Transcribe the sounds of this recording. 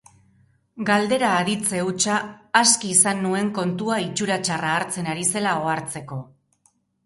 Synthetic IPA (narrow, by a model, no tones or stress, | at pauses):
ɡald̪e̞ɾaːðit͡se̞ut͡ʃaːskiːsanːue̞ŋko̞nt̪uait͡ʃuɾat͡ʃaraːɾt͡se̞naɾise̞lao̞aɾt͡se̞ko̞